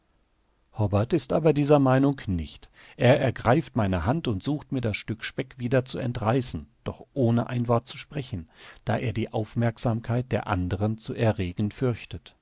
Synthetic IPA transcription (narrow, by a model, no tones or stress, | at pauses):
hɔbɐɐtɪstʔaːbɐdiːzɐmaɪnʊŋknɪçtʔeːɐʔɛɐɡʁaɪftmaɪnəɦantʊntz̥uːxtmiːɐdasʃtʏkʃpɛkv̥iːdɐt͡suɛ̰ntʁaɪsn̩d̥ɔχʔoːnəʔa̰ɪnvɔɐt̚t͡su̥ʃpʁ̥ɛçn̩d̥a̰ːʔeːɐdiːʔaʊfmɛɐkz̥aːmkʰaɪt̚d̥eːɐʔa̰ndəʁənt͡suːʔɛɐʁeːɡn̩fʏɐçtət